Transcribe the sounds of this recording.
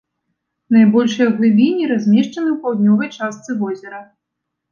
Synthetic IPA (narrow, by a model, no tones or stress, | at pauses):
najbɔlʲʂɨjɐɣlˠɨbʲinʲiɾazʲmʲɛʂt͡ʂɐnɨwpawd̪nʲɔvɐjt͡ʂast̪sɨvɔzʲɛɾɐ